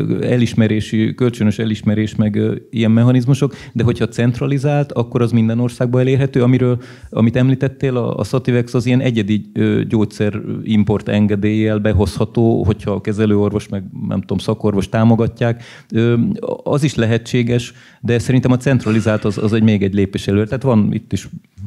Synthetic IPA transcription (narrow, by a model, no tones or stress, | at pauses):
ɛliʃmɛɾeːʃikølt͡ʃønøʃɛliʃmɛɾeːʃmɛɡijɛmːɛɦɒnizmuʃo̞k | d̪ɛɦo̞cʰhɒt̪sɛnt̪rɒlizaːlt̪ɒkːo̞ɾɒzmind̪ɛno̞rsaːɡ̚bɒɛleːrɦɛt̪øːɒmiɾøːl | ɒ̰mit̪ɛmliːt̪ɛt̪ːeːlɒ̰ːsot̪ivɛksɒzijɛnɛɟɛd̪iøɟoːt̪sɛrimpo̞rt̪ɛ̰ŋɡɛd̪eːjɛːlbɛɦo̞shɒt̪oːɦo̞chɒkɛzɛløːorvo̞ʃmɛɡnɛ̰mt̪uomsɒko̞rʋo̞ʃt̪aːmo̞ɡɒcːaːk | øɒziʃlɛɦɛt͡ʃːeːɡɛʃ | d̪ɛsɛɾint̪ɛmɒt̪sɛnt̪rɒlizaːlt̪ɒzɒ̰zɛɟmeːɡɛɟleːpeːʃɛløːt̪aːt̪ʋɒnḭt̪ːiʃ